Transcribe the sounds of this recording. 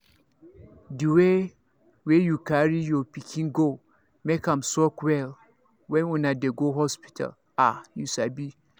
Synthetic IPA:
diwe | wejukʰaɹijɔpikʰĩnɡo | mekãmsɔkwɛl | wɛ̃nũnadeɡoɦɔspi̥tʰa̰l | ajusabi

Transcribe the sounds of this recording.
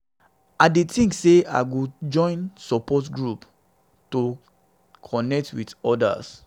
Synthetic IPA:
aɪdetĩŋksea̰ɪɡod͡ʒɔ̃ɪ̃nsɔpɔtɡɹup | to | kʰɔnɛk̚twidɔda̰s

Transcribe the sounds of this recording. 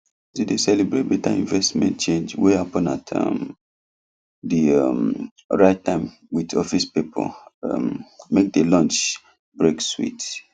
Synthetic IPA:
sidesɛlibɹet̚betaḭ̃nvɛstmɛ̰̃nt̚t͡ʃẽnd͡ʒweapɔ̃nata̰m | diam | ɹaɪttãɪ̃m | widɔfispipʰɔ̰l̰mmek̚delɔ̃nt͡ʃ | bɹekswḭt

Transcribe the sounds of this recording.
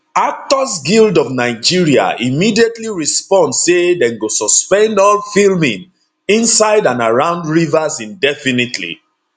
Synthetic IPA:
ak̚tɔsɡildɔvnaɪd͡ʒiɹia̰imidietliɹispɔ̃ndsedɛ̃nɡosɔspɛ̃ndɔlfilmĩŋ | ĩnsaɪdãnaɹãʊ̃ndɹivasĩndɛfinitʰlḭ

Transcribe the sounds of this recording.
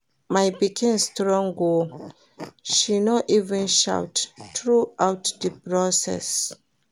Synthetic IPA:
majbikʰĩnstɹɔ̃ŋɡo | ʃinɔʔivɛ̃nʃa̰wttɹuawtdəpɹɔsɛ̰s

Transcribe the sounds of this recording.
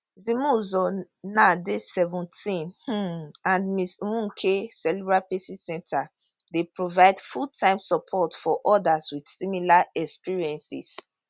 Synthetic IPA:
zĩmũzɔ | nadesɛvũntʰĩnh̩ãnmiswũkʰesɛlibɹapesisɛ̃ntʰa | depɹovaɪdfultʰãɪ̃msɔpʰɔtfɔʔɔdaswid̥similaɛkspiɹiɛ̃nsḭs

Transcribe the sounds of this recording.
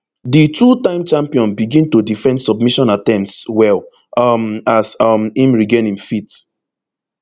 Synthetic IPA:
ditutãɪ̃mt͡ʃãmpiɔ̃nbiɡĩntodifɛ̃ndsɔbmiʃɔ̃natɛ̃mtswɛl | masʌmĩmɹiɡenĩmfit

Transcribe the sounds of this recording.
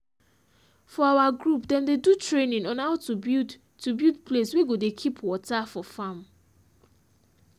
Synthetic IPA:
fɔawaɡɹupdɛ̃mdedutɹenĩŋɔ̃naʊtubid | tʰubjudpʰlesweɡodekʰipʰwɔtafɔfãm

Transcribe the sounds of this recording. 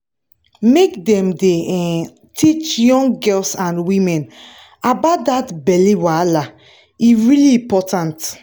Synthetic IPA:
mekdɛ̃mde | tʰit͡ʃjɔ̃ŋɡɡɛlsãnwĩmɛ̃n | abatdatbɛliwala | iɹiliĩpɔtãnt

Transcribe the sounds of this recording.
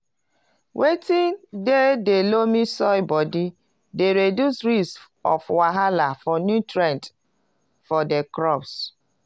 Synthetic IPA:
wʔetĩndedelomisɔjbɔdi | deɾedjusɹis | ɔ̰fwaɦalafɔnjutɹɛ̃nt | fɔdɛkɹɔps

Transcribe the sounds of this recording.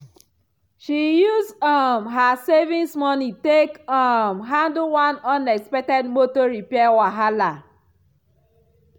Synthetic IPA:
ʃijuzɔmɦasevĩnsmɔnitekɔmɦãndowãnɔnɛkspɛk̚tɛd̚motoɹipɛwaɦala

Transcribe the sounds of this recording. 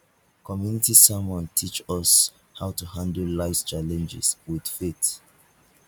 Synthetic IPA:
kʰɔmjunitisamɔ̃ntʰit͡ʃɔs | haʊtuhãndl̩laɪst͡ʃalɛ̃nd͡ʒɪ̰swið̥fet

